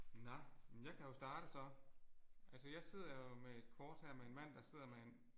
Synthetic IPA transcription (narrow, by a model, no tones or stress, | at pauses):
nɑɪmenjɑ̈ɪkʰæjo̝sd̥ɑ̈ːd̥əsɒ̽ | ʔælsəjɑ̈ɪse̝ð̞̰ˠɐjoo̝mee̝d̥kʰɒːd̥hæɐ̰mee̝nmæn̰d̥ɑ̈se̝ð̰ˠɐmeen